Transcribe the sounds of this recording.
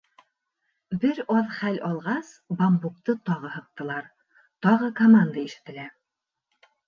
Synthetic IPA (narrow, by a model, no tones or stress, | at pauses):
bɘɾɑðχælʔɑlˠʁɑsbɑmbuk̚t̪ɤt̪ɒʁɤhɤ̆q̚t̪ɤ̆lˠɑɾ | t̪ɒʁɤkomand̪aiʃɘ̥̆t̪ɘ̆læ